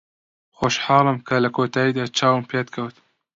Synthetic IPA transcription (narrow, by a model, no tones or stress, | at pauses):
xoʃħɑːlɨmkʰalɐkoːt̪aːid̪at͡ʃʰaːwmpjat̪̚kʰɐwt̪